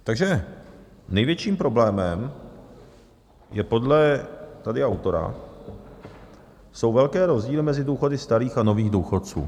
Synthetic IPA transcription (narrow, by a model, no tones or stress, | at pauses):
t̪aɡʒɛ | nɛjvjɛt͡ʃiːmpɾo̞blɛːmɛm | jɛpo̞dlɛt̪adɪawt̪o̞ɾa̰ | so̞wvɛlkɛːɾo̞zɟiːlɪmɛzɪduːxo̞dɪst̪aɾiːxano̞viːɣduːxott͡sṵː